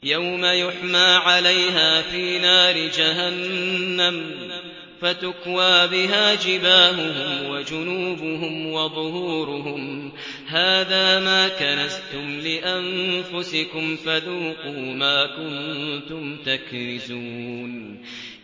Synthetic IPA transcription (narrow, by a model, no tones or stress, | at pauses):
jawmajʊħmaːʕalajɦaːfiːnaːɾɪd͡ʒaɦanːam | fat̪ʊkwaːbɪɦaːd͡ʒɪbaːhʊɦʊmwad͡ʒʊnuːbʊɦʊmwɑðˤʊhuːɾʊɦʊm | haːðaːmaːkanast̪ʊmlɪʔanfʊsɪkʊmfaðuːquːmaːkʊnt̪ʊmt̪akɾɪzuːn